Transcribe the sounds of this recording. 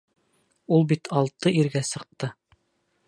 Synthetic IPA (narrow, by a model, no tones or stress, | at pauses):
ulˠbit̪ʰɑlˠt̪ɤiɾɡæsɤ̆q̚t̪ɤ